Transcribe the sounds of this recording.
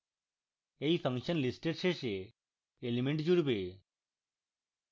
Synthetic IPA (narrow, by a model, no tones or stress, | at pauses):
eipʰəŋʃənlisʈeɾseʃeː | limeɳʈd͡ʑuɽbe